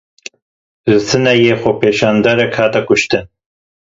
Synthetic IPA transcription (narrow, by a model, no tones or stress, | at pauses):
zɨsɨnɛjeːxopʰeːʃɑːnd̪aɾɛkhaːt̪ɛkʊʃt̪ɨn